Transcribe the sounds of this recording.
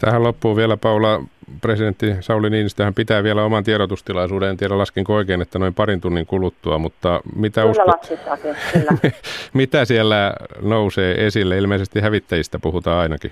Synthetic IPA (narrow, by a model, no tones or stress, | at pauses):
t̪æhællopːuːʋiælæpɑulɑpresident̪ːisɑuliniːnst̪æhæmpit̪æːʋiælæomɑnt̪ieɾot̪ust̪ilɑisuːdeent̪ieæɾælɑskiŋkooikeːnet̪ːænoimpɑrint̪unːiŋkulut̪ːuɑmut̪ːɑmit̪æusɑskit̪ːɑːsi | mit̪æsiælːænouseːʔesilːæilmeisest̪ihæʋit̪ːæjist̪æpuhut̪ɑːɑinɑki